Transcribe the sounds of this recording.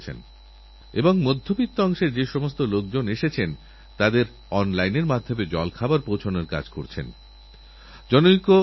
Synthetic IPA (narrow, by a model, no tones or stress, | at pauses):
t͡ɕʰḛn | eboŋmod̪ʱːopitt̪ːoɔŋʃeɾd͡ʑeʃɔmost̪olok̚d͡ʑoneʃet͡ɕʰen | t̪ad̪eɾ | ɔnlajneɾmad̪ʱːomed͡ʑɔlkʰabaɾpowt͡ɕʰonaɾka̰d͡ʑkoɾt͡ɕʰḛn | d͡ʑɔnoiko